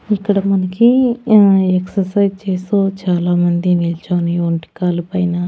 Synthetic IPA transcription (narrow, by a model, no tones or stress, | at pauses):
ikːɐɽɐmɐnɐki | eksɐsɐjd͡ʒt͡ʃeːsoːt͡ʃaːlaːmɐnd̪inilt͡ʃaːnioɳʈi̥kaːlupɐjnɐ